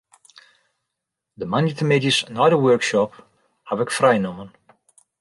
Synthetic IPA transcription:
d̪əmanjətʰəmɪd͡ʒisnɔɾəwɜɹkʃɔp | havɪkfrajnɔmən

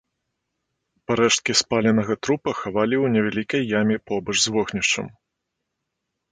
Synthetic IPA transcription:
paɾɛʂt̪̚kʲispalʲɛnɐɣɐt̪ɾupɐxavalʲiwnʲɛvʲalʲikɐjːamʲɛpɔbɐʐzvɔxnʲiʂt͡ʂɐ̰m

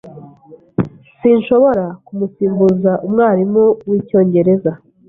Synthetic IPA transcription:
siːnʃo̞βo̞ɾakumusiːmbuzaʔumŋaːɾimuwiːco̞ːɲɟe̞ɾe̞za

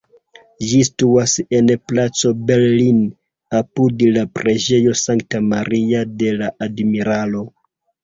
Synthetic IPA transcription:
d͡ʒistuase̞nplat͡so̞be̞ɾlin | apudlapɾe̞d͡ʒe̞jo̞saŋk̚tamaɾiade̞laʔadmiɾalo̞

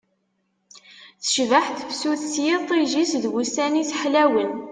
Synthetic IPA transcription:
θə̥ʃvəħθəfsuθsjit̪ˤːiʒisðwusænisħlæwən

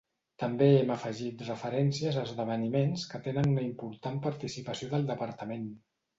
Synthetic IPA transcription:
t̪əmbeɛməfəʒit̪rəfəɾɛnsiəzəːzðəβ̞ənimenskət̪enənuləimpuɾt̪ampəɾt̪isipəsioðəlˠd̪əpəɾt̪əmen

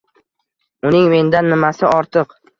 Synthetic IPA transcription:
ʊnɪŋme̞nd̪anːɪmasɪɒɾt̪ʰɨq

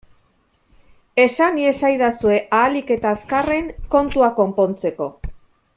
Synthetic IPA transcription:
e̞sanie̞sajðasue̞ʔaːlike̞t̪aeskare̞ŋko̞nt̪uako̞mpo̞nt͡se̞ko̞

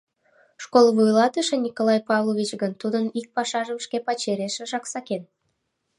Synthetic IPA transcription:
ʃkolvujlɑt̪əʃenʲikolɑjpɑvlˠoβʲit͡ɕɡənt̪ud̪ənik̚pɑʃɑʒəmʃkepɑt͡ɕeɾeʃeʒɑksɑken

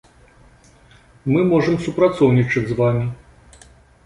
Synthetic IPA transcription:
mɨmɔʐɨmsupɾat̪sɔwnʲit͡ʂɐzvamʲi

